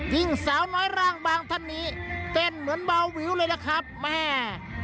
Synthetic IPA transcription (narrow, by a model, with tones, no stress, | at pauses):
ki˧˩ŋsaː˨˦wnɔː˦˥jɾaː˧˩ŋbaː˧ŋt̪ʰa˧˥˩nːiː˦˥t̪e˧˩nmɯ˩˦ənba˧wːiː˨˦wlɤː˧jna˧˩kʰɾa˦˥p̚mɛː˧˩